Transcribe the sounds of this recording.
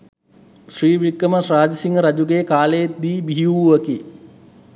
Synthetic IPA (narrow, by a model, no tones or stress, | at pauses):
sriːʋikːəməsɾaːd͡ʒəsiŋɡəɾad͡ʒuɡekaːləjet̪̚d̪iːbiɦiuuʋəki